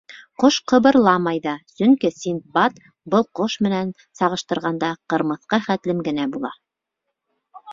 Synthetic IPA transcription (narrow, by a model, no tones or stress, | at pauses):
qoʃqɤ̆βɤ̆ɾlˠɑmɑjðɑsɵ̆ŋkisint̪̚bɑt̪ | bɤlˠqoʃmɘ̆næn | sɑʁɤ̆ʃt̪ɤ̆ɾʁɑnd̪ɑqɤ̆ɾmɤ̆θqɤχæt̪lɘmɡɘ̆næbulˠɑ